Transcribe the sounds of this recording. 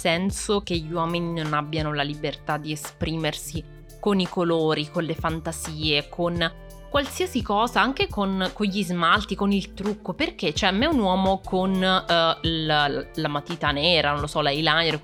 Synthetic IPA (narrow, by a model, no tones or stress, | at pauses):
sɛnsok̟eʎːiwɔːmininonabːjanolalibert̪ad̪ːiespɾiːmersi | konikoloːɾikonlefant̪aziːekʰon | kwalsiasikɔːzaaŋk̟ekonkoɲʎizmalt̪ikonilt̪ɾukːoperk̟et͡ʃoɛmːɛunwɔːmokon | lamat̪iːt̪anɛːɾanõnlosɔlajlajeɾ